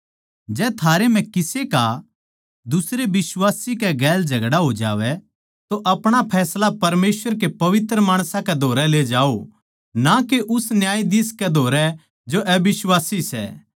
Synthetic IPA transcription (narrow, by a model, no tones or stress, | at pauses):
d͡ʒɛːt̪ʰaːɾem̤ɛ̃kɪseka | d̪ʊsɾebɪswaːsikɛɡɛːld͡ʒʱɐɡɽaɦod͡ʒa̰ːʋɛ | t̪oʔɐpɽ̃apʰɛːslapɐɾmeːsʋəɾk̬epɐʋɪt̪ɾəmaːɽ̃sãkɛd̪ʱoːɾɛleːd͡ʒaːo | nakeʔʊsnjaːid̪ɪːskɛd̪ʱoːɾɛ | d͡ʒoʔɛbɪswaːsisɛ̰ː